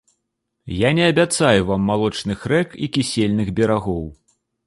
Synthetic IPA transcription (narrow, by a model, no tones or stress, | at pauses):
janʲɛɐbʲat̪sajuvamːalˠɔt͡ʂnɨxɾɛkikʲisʲelʲnɨɣbʲɛɾaɣɔw